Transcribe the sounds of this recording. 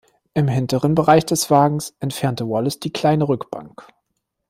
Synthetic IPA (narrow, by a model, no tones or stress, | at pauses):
ʔɪmɦɪntəʁənbəʁaɪçd̥ɛsv̥aːɡŋ̩sʔɛntfɛɐntəvɔləsd̥iːkl̥aɪnəʁʏkb̥a̰ŋk